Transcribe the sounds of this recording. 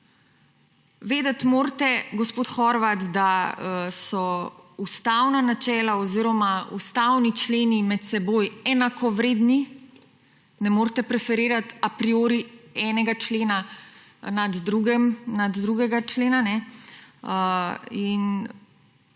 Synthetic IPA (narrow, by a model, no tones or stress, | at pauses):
ʋeːd̪ət̪moːɾt̪ɛɡɔspoːt̪xɔɾʋat̪d̪asɔust̪awnanat͡ʃɛːlaɔziːɾɔmaṵst̪awnit͡ʃleːnimɛt̪sɛboːjɛnakʰɔʋɾeːd̪ni | nɛmoːɾt̪ɛpɾɛfɛɾeːɾat̪apɾioːɾiɛːnɛɡat͡ʃleːna | nad̪ɾuɡɛmnad̪ːɾuːɡɛɡat͡ʃleːnanɛ | əin